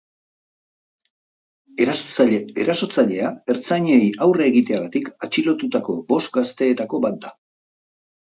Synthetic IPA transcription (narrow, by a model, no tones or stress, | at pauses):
eɾasot͡saʎeeɾaso̞t͡saʎe̞ae̞ɾt͡sajɲejawraeɣit̪e̞aɣat̪ikat͡ʃilo̞t̪ut̪ako̞bo̞st̪ɡast̪e̞ːt̪ako̞βat̪̚d̪a